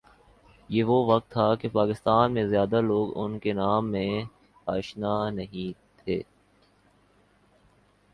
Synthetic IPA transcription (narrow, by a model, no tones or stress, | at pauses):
jeːʋoʋɐk̚t̪ʰːakepaːkɪst̪aːnmẽzjaːd̪aloːɡʊ̰nkenaːmːẽ | aːʃnanɐɦĩt̪ʰeː